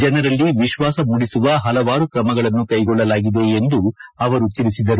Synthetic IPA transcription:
d͡ʒɛnɐɾɐlːiʋiʃʋaːsɐmuɽisuʋɐɦɐlɐʋaːɾukɾɐmɐɡɐɭɐnːukɐjɡɔɭːɐlaːɡid̪e̞end̪uɐʋɐɾut̪ilisid̪ɐɾu

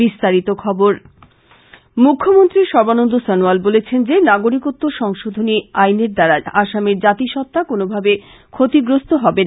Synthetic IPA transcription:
ist̪aɾit̪okʰɔboɾ | mukʰːomont̪ɾiʃɔɾbanond̪osɔnualbolet͡ɕʰend͡ʑenaɡoɾikot̪ːoʃɔŋʃod̪ʱoniajneɾd̪aɾaaʃameɾd͡ʑat̪iʃɔt̪ːakonobʱabe | kʰot̪iɡɾost̪oɦɔben

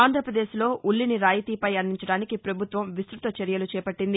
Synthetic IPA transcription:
aːnd̪ʱɾɐpɾɐd̪eːslo̞ːʔuɭːiniɾaːjit̪iːpɐjɐnːiɲt͡ʃɐɽaːnikipɾɐbʱut̪ʋɐmʋist̪ɾut̪ɐt͡ʃɐɾjɐlut͡ʃɛːpɐʈːind̪i

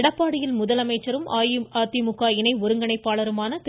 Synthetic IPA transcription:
ɽɐpːaːɽɪjɪlmʊðɐlɐmɐɪt͡ʃːɐɾɯmaːjɪaːt̪ːimʊkːaːɪnɐɪɔɾɯŋɡɐɳɐɪpːaːɭɐɾɯmaːnɐt̪

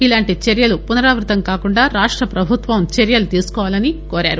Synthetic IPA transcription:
ilaːɳʈit͡ʃeɾjɐlupunɐɾaːʋɾut̪ɐmkaːkuɳɖaːɾaːʂʈɾɐpɾɐbʱut̪ʋɐmt͡ʃeɾjɐlut̪iːsu̥kɔːʋaːlɐnikoːɾa̰ːɾu

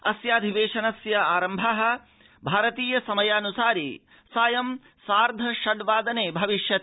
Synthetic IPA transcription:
ɐsjaːd̪ʱiʋeːʃɐnɐsjɐaːɾɐmbʱɐɦɐ̆ | bʱaːɾɐt̪iːjɐsɐmɐjaːnusaːɾḭ | saːjɐm | saːɾd̪ʱɐʃɐɖʋaːd̪ɐneːbʱɐʋiʃjɐt̪

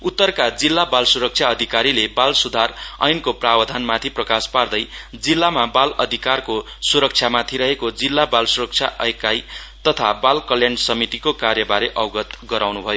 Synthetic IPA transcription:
ut̪ːʌrkad͡zilːabalsuɾʌk̚t͡ʃʰjaʌd̪ʱikaɾilebalsud̪ʱarʌ̰jnkoprabʌd̪ʱanmat̪ʰiprʌkaspard̪ʌjd͡zilːamabalʌd̪ʱikarko | suɾʌk̚t͡ʃʰjamat̪ʰiɾʌɦekod͡zilːabalsuɾʌk̚t͡ʃʰjaʔʌekaj | t̪ʌt̪ʰabalkʌljaɳɖsʌmit̪ikokarjʌbaɾeʔʌwɡʌt̪ɡʌɾawnubʱʌjo

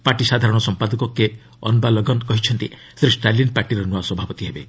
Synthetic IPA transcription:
paʈisad̪ʱaɾɔɽ̃ɔsɔmpad̪ɔkɔke | ɔ̰nbalɔɡɔnkɔɦit͡ʃʰɔnt̪i | sɾisʈalinpaɾʈiɾɔnuaswɔbʱapɔt̪iɦebe

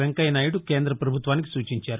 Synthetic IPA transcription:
eŋkɐjnɐjuɽuke̞ːnd̪ɾɐpɾɐbʱut̪ʋaːnik̬i̥suːt͡ʃiɲt͡ʃaːɾu

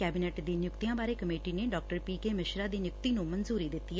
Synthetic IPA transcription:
kɛːbinɛːʈd̪iːnjʊkt̪ijãːbaːɾeːkəmeːʈiːneːɖɔːk̚ʈəɾpiːkeːmɪʃɾaːd̪iːnjʊkt̪iːnũmənzuːɾiːd̪ɪt̪ːiːɛː

